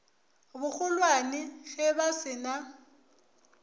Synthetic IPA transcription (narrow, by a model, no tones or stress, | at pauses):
bʊk͡xʰʊlwanɪɣɛbasɪna